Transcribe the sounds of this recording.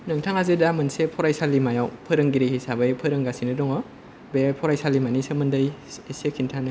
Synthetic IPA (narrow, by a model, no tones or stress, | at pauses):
nɯŋtʰaŋazedamɯnsepʰɔɾajsalːimajawpʰɯɾɯŋɡiɾehisabɯjpʰɯɾɯŋɡasinɯdɔŋɔ | bepʰɔɾajsalimanisɐmɯndɯjesekʰintʰanɯ